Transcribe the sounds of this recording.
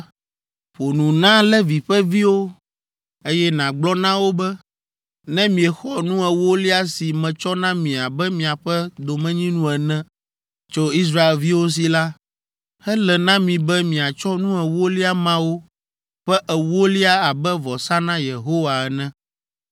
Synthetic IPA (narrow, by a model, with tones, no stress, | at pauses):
ɸo˨nũ˨nã˦lɛ˦vi˨ɸɛ˦vi˦wo˦ | e˦jɛ˦nã˨ɡ͡blɔ˦nã˦wo˦bɛ˦ | nɛ̃˦mĩ˨ɛ˨xɔ˨nũ˦ɛ˨wo˦li˦a˦si˨mɛ̃˨t͡ʃɔ˦nã˦mĩ˨a˨bɛ˦mĩ˨a˨ɸɛ˦d̪o˨mɛ̃˦ɲĩ˦nũ˦ɛ˨nɛ̃˦ | t͡ʃo˦i˦s̬ɾa˦e˨lvi˦wo˦s̬i˨la˦ | hɛ˦lɛ˨nã˦mĩ˨bɛ˦mĩ˨a˨t͡ʃɔ˦nũ˦ɛ˨wo˦li˦a˦mã˦wo˦ | ɸɛ˦ʔɛ˨wo˦li˦a˦a˨bɛ˦vɔ˨sa˦nã˦je˨ɦo˦wa˨ɛ˨nɛ̃˦